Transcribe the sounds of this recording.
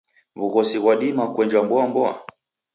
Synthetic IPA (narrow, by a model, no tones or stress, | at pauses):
βuɣɔsiɣwaɗimakwɛɲd͡ʒwambɔambɔa̰